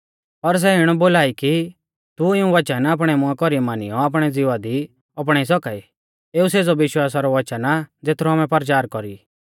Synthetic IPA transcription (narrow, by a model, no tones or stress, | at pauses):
pɐɾs̬ɛɪɽ̃ɔboːlaːiki | t̪uɪũʋɐt͡ʃənaːp̬ɽ̃ɛmʊãkɔɾimaːnḭjɔaːp̬ɽ̃ɛd͡zɪʋad̪i | ɔp̬ɽ̃ɛis̬ɔkai | eːuseːd͡zɔʋɪʃwaːsaɾɔʋɐt͡ʃənad͡zeːt̪ʰɾɔaːmɛ̃pɐɾt͡ʃaːɾkɔɾi